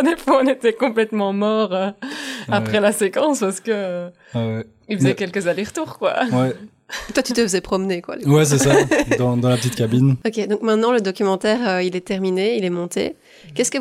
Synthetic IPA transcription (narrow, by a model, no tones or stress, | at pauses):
d̪efwaɔ̃net̪ɛkɔ̃plɛt̪mɑ̃mɔʁøapχɛlasekɑ̃spaʁsə̥kə | ɛwɛ | ilfəzɛkʲɛlkəzaleʁt̪uːʁkwa̰wɛ | t̪wat̪yt̪əfəzɛpχɔmnekwa̰d̪wɛs̬ɛssad̪ɑ̃d̪ɑ̃lapət̪it̪kabinɔkʲed̪ɔ̃kmɛ̃t̪nɑ̃ləd̪ɔkʲymɑ̃t̪ɛːʁøilɛt̪ɛʁmineilɛmɔ̃t̪ḛ | kʲɛskə